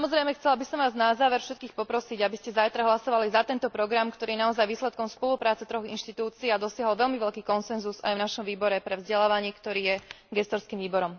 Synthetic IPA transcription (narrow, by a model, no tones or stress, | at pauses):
samɔzɾɛjmɛxt͡sɛlabisɔmʋaːznazaːʋɛɾfʃɛt̪̚kiːxpɔpɾɔsiɟabiscɛzajt̪ɾaɦlasɔʋalizat̪ɛnt̪ɔpɾɔɡɾamkt̪ɔɾiːɛnaɔzajʋiːslɛt̪̚kɔmspɔlupɾaːt͡sɛt̪ɾɔɣḭnʃt̪it̪uːt͡siːad̪ɔsɪaɦɔlʋɛlmiʋɛʎkiːkɔnsɛnzuza̰jvnaʃɔmʋiːbɔɾɛpɾɛvzɟɛlaːʋaɲɪɛkt̪ɔɾiːjɛ | ɡɛst̪ɔɾskiːmʋiːbɔɾɔm